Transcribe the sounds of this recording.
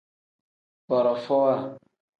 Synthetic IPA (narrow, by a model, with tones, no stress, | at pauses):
bɔ˨ɾɔ˨fɔ˦a˦˨